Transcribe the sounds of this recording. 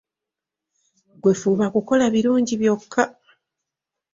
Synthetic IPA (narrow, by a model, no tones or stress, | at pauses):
ɡwe̞fuːβakuko̞laβiɾuːɲɟiβjo̞kʰːa